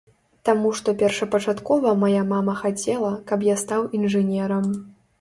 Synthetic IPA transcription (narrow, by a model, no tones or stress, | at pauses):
t̪amuʂt̪ɔpʲɛrʂɐpɐt͡ʂat̪kɔvɐmajamamɐxat͡sʲɛlˠɐkɐpjast̪awinʐɨnʲɛɾɐm